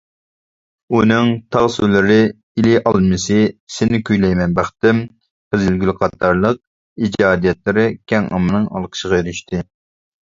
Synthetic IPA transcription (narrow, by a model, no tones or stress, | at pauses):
unɨŋt̪ʰɑʁsulɨɾɪ | ilɪʔɑlˠmɨsɨsɪnɪkʲʰyjlɛjmɛnbɑχt̪ɪm | qəzɪlɡʲylqʰɑt̪ʰːɑɾlˠəq̚ | id͡ʒɑːd̪ijɛt̪lɪɾɪkʲʰɛŋɑ̰mɨnɨŋɑ̰lˠqʰə̥ʃəʁɑjøɾyʃt̪ɨ